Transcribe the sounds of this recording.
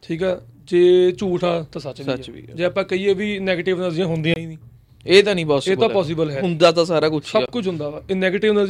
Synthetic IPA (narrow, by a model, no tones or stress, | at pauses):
ʈʰiːkɛːd͡ʒeːt͡ʃuːʈʰaːt̪ãːsət͡ʃʋiət͡ʃḭd͡ʒeːaːpãːkəiːeːʋiːnɛːɡeʈɪʋnəzɪjãːɦʊnd̪ĩjãːĩːnĩː | eːt̪ãːnĩːpɔːseːbt̪ãpɔːs̬ɪbəlɦɛɦʊnd̪aːt̪ãːsaːɾaːkʊt͡ʃʰsəkʊt͡ʃʰɦʊ̃nd̪aːaːeːnɛːɡeːʈɪʋnəz